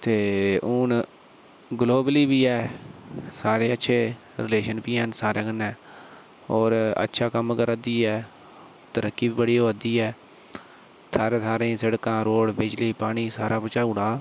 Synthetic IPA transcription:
t̪eːʊːn | ɡloːbəliːbiːɛː | saːɾeːətːʃʰeː | ɾɪleːʃənpiːɛːnsaːɾẽːkənɛ̃ː | oːɾə̰tːʃʰaːkəmkəɾd̪iːɛː | t̪əɾəkːiːbiːbəɽiːɦoːd̪iːɛː | t̪ʰaːɾeːt̪ʰaːɾẽːsəɽkãːɾoːɽbɪd͡ʒleiːpaːɳiːsaːɾaːpət͡ʃaːuːɽaː

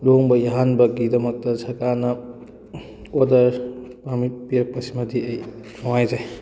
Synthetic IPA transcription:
loŋbɐjɐɦanbɐɡidɐmɐk̚tɐsʰɐkanɐ | odɐɾpamit̚pijɐk̚pɐsimɐdiɐjmɔwajzaj

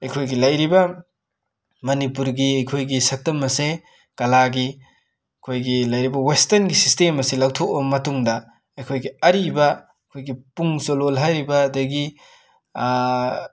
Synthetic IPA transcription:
ɐjkʰojɡilɐjɾibɐ | mɐnipuɾɡiɐjkʰojɡisɐk̚tɐmɐse | kɐlaɡi | kʰojɡilɐjɾibɐwestɐnɡisistemɐsilɐwtʰok̚bɐmɐtuŋdɐ | ɐjkʰojɡiɐɾibɐ | kʰojɡipuŋzololɦajɾibɐːdɐɡi

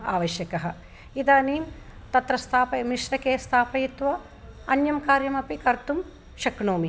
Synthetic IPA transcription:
a̰ːʋɐʃjɐkɐɦɐ̆ | id̪aːniːm | t̪ɐt̪ɾɐst̪ʰaːpɐmiʂɾɐkeːst̪ʰaːpɐjit̪ʋɐ | ɐnjɐmkaːɾjɐmɐpikɐɾt̪um | ʃɐkɳoːmi

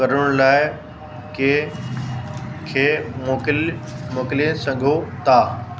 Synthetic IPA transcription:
kɐɾəɽ̃laːɪ | ke | kʰeːmokmoːkɪliẽsɐ̃ŋɡʱot̪aː

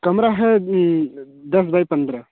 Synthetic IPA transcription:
kɐmɾaɦe | d̪ɐs̬bɐjpɐnd̪ɾa

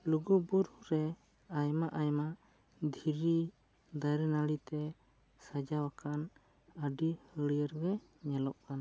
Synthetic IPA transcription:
luɡubuɾuɾɛ | ajmaʔajmaʔ | d̪ʱiɾi | d̪ajɾɛnalit̪ɛ | sad͡ʒawakan | əɖihəɽjəɾɡɛ | ɲɛlɔʔ̚kan

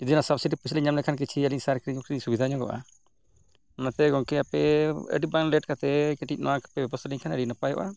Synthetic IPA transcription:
d͡ʒɔd̪inasabsiʈipusliɲamnɛkʰank̬it͡ʃʰiəliɲsaɾkɾiɲɔkɾiiɲsubid̪ʱaɲɔɡɔ̰ʔa̰ | ɔnat̪ɛɡɔŋkɛapɛə̰ɖibaŋlɛʈkat̪ɛkɛʈic̚nɔ̰wakḁpɛbɛbɔst̪aliɲkʰanəɖinapajɔ̰ʔa

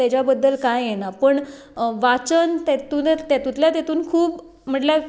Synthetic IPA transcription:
at͡ɕjabəd̪ːəlkajjenapəɳ | ʋat͡sənt̪at̪uːnt̪at̪ut̪ljat̪jat̪uːnkʰuːp | m̤əʈlja

